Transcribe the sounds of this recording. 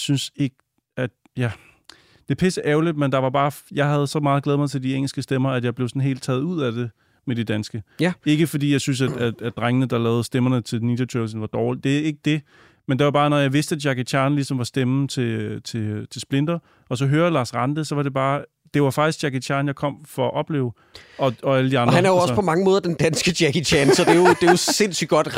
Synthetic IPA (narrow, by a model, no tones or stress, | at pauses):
synse̝ɡ̥ | æd̥ | jæ | d̥e̝pʰesəʔɛʊlid̥̚mend̥ɑ̈ʋɑ̈b̥ɑ̈ːjɑ̈ɪɦæð̞̩ˠsɒ̽mɑ̈ːð̞̩ˠɡlɛːðˠmɑ̈ɪt͡sʰe̝ld̥ieŋ̰l̩sɡ̥əsd̥emɐæd̥jɑ̈ɪb̥le̝ʊsɒ̽n̩ɦe̝̰ːld̥̚t͡sʰɛ̰ːðˠuð̞̰ˠæd̥e̝ | med̥id̥ænsɡ̥əe̝ɡ̥əfɒ̽d̥ḭːjɑ̈ɪsyns̬æ̥æ̥æd̥ʁaŋənəd̥ɑ̈lɛːʊð̩ˠsd̥emɐnət͡sʰe̝lnid̥ɐt͡sʰøːsn̩ʋɑ̈d̥ɒʊld̥e̝e̝ɡ̥əd̥e̝ | mend̥eʋɑ̈b̥ɑ̈ːnɒjɑ̈ɪʋe̝sd̥əæd̥jɑ̈ɡ̥it͡sʰjɑ̈ːnlisɒ̽mʋɑ̈sd̥emn̩t͡sʰe̝t͡sʰe̝t͡sʰe̝lsb̥le̝n̰d̥ɐ | ɒ̽sɒ̽ɦøːɐlɑ̈ːsʁɑnd̥əsɒ̽ʋɑ̈d̥e̝b̥ɑ̈ː | d̥e̝ʋɑ̈fɑ̈ɡ̥isɡ̥jɑ̈kʰit͡sʰjɑ̈ːnjɑ̈ɪkʰɒ̽m̰fɒ̽ɒʔɒ̽b̥le̝̰ːʊ | ɒ̽ɒ̽æləd̥iɑ̈ndʁhæɐnæɐjoɒ̽spʰɒmɑ̈ŋəmɔːð̞ˠd̥end̥ænsɡ̥əd̥jækit͡sʰænsɒ̽d̥e̝jod̥ejose̝n̰sy̥ɡ̥ɒ̽d̥